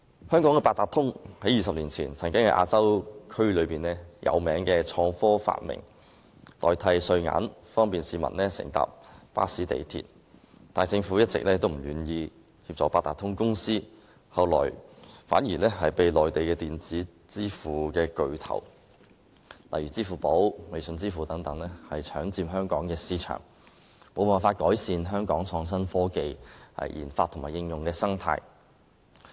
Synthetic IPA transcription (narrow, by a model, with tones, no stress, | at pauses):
hœː˥ŋkɔː˨˥ŋkɛː˧paː˧t̚t̪aː˨˩t̪ʰʊ˥ŋhɐ˨˥jiː˨sɐ˨p̚liː˨˩nt͡sʰiː˨˩nt͡sʰɐ˨˩ŋkɪ˥ŋhɐ˨˥jʔa̰ː˧t͡sɐ˥wkʰɵ˥ɥlɵ˨˧ɥpiː˨˩nɛː˥jʔɐ̰˨˧wmɛː˨˥ŋkɛː˧t͡sʰɔː˧ŋfɔː˥fa̰ː˧t̚mɪ̰˨˩ŋ | t̪ɔː˨˩jt̪ʰɐ˧jsɵ˧ɥŋa̰ː˨˥nfɔː˥ŋpiː˨˩nsiː˨˧mɐ̰˨˩nlɛː˥sɪ̰˨˩ŋt̪a̰ː˧p̚pa̰ː˥siː˨˥t̪ḛ˨jt̪ʰḭː˨˩n | t̪aː˨˩jt͡sɪ˧ŋfuː˨˥jɐ˥t̚t͡sɪ̰˨k̚lɛː˥t̪o˥wm̩˨˩jyː˨˩njiː˧ | hiː˧p̚t͡sɔ̰ː˨˩paː˧t̪̚aː˨˩t̪ʰːʊ˥ŋkʊ˥ŋsiː˥ | hɐ˨˧wlɔ̰ː˨˩jfa̰ː˨˥njiː˨˩lɛː˥hɐ˨jpe˨jlɔː˨˩jt̪e˨jkɛː˧t̪iː˨nt͡siː˨˥ | t͡siː˥fuː˨˩kɛː˧kɵ˧ɥt̪ʰɐ̰˨˩w | lɐ̰˨jɥyː˨˩t͡siː˥˩fuː˨po˨˥wme˨jsɵ˧nt͡siː˥fuː˨t̪ɐ˨˥ŋt̪ɐ˨˥ŋlɛː˥hɐ˨jt͡ʃʰœː˨˥ŋt͡siː˧mɦœː˥ŋkɔː˨˥ŋkɛː˧siː˥t͡ʃʰœ̰ː˨˩ŋ | mo˨wpaː˨˩nfaː˧t̚kɔː˨˥jsiː˨˧nɦœː˥ŋkɔː˨˥ŋt͡sʰɔː˧ŋs̬ɐ˥nfɔː˥ke˨˧jhɐ̰˨˩jjʔḭː˨˩nfaː˧t̪ʰːʊ˨˩ŋmaː˨˩jɪ˧ŋjʊ˨ŋkɛː˧sɐ˥ŋt̪ʰa̰ː˧j